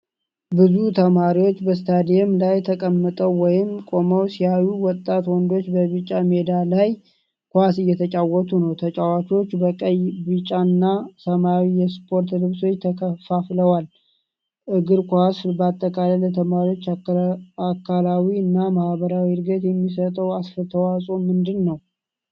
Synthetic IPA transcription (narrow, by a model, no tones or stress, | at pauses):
bɨzut̪ʰəmaɾiwot͡ʃːbəst̪ʰad̪ijɛmlajt̪ʰəkʼəmːət̪ʼəwːɔjɪmkʼo̞məwsiajuwɔt̪ʼːat̪wɔnd̪o̞t͡ʃːbəβɨt͡ʃʼːamed̪alaj | kʰʷasɨjːɛt̪ʰət͡ʃʼawɔt̪ʰunəwt̪ʰət͡ʃʼawat͡ʃo̞t͡ʃːbəkʼəjbɨt͡ʃʼanːasəmawijɛspʰo̞ɾt̪lɨβso̞t͡ʃːt̪ʰəkʰəfafləwal | ʔɨɡɨɾkʰuasbəat̪ʼːəkʼalələt̪ʰəmaɾio̞t͡ʃː | akʰːalawiɨnːamahβəɾawiɾɡet̪jɛmːisət̪ʼəwasfət̪ʰəwasʼomɨnd̪ɨnːəw